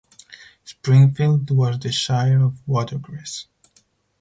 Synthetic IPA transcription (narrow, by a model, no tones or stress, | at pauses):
spɹɪ̃ŋfildwʌzðɨʃajəɹɔvwɔtə˞ɡɹɛs